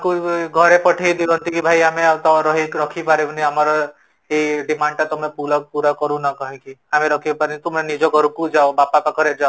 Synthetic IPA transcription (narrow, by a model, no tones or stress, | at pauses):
akuɡʱɔɾepɔʈʰijd̪ilɔ̃nt̪ikibʱajamet̪ɔɾɔɦikɾɔkʰipaɾebʱniamɔɾɔ | eɖimaɳʈat̪ɔmepuɾɔpuɾakɔɾũnɔkɔɦĩkiameɾɔkʰibpaɾnit̪umɾenid͡ʒɔɡʱɔɾkud͡ʒaobapapaɡʱɔɾed͡ʒao